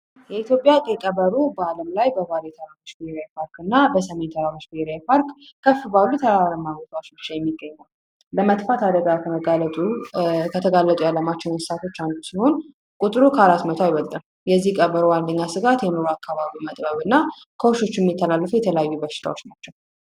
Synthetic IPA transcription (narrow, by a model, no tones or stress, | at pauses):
jɛit̪jo̞pʼjat̪ʼekʼəβəɾubəaləmlajbəβaljɛt̪ʰəɾaɾot͡ʃːbeeɾapʰaɾkɨnːabəsəment̪ʰəɾaɾot͡ʃbieɾajpʰaɾkːʰəfːɨbalːut̪ʰəɾaɾəmːaɡot̪ʼawot͡ʃbɨt͡ʃːajɛmːiɡːəɲːaw | ləmət̪ʼfat̪ʰad̪əɡakʰəməɡalət̪ʼukʰət̪ʰəɡalːət̪ʼujalːəmat͡ʃːɛwnəssat̪ʰo̞t͡ʃːand̪usiho̞n | kʼut̪ʼɾukʰəhaɾat̪mət̪ʰoajwɔlt̪ʼɨn | jɛzːihkʼəβəɾoand̪əɲːasɨɡat̪jɛmɨɾoakːaβaβimət̪ʼbəβɨnːa | kʰəwoʃo̞t͡ʃːjɛmːit̪ʰːəlalːəfujɛt̪ʰələjajːubəʃɪ̥t̪ʰa̰wo̞t͡ʃːnat͡ʃːɛw